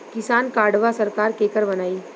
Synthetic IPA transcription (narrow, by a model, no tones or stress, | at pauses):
kɪsaːnkaːɖʋasɐɾkaːɾkeːkəɾbɐnaːi